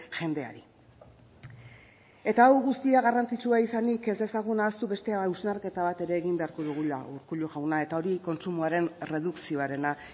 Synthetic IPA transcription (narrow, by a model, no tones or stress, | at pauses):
ʝe̞nd̪ea̰ɾi | e̞t̪aːwɣust̪iaɣarant͡sit͡ʃuaisanike̞zd̪e̞saɣ̞unaːst̪uβe̞st̪e̞awznaɾke̞t̪aβ̞at̪e̞ɾe̞ːɣimbe̞aɾko̞ðuɣ̞ulauɾkuʎuʝawnae̞t̪ao̞ɾiko̞nt͡sumuaɾe̞nre̞ðuksio̞aɾe̞na